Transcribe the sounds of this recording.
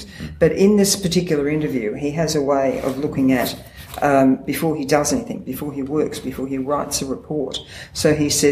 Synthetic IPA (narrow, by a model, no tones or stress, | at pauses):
b̥ʌɾɪ̃nðɪspʰə˞tʰɪkjl̩ˠə˞ɪ̃ntə˞vjʉiɨzəweɪʔʌ̰vlʊkɪ̃ŋɨt̚ | b̥ɨfɔɹidʌzɛniθɪ̰̃ŋbɨfɔɹiwɜ˞ksb̥ɨfɔɹiɹaɪtsɨɹɨpʰɔɹtsoʊisɛ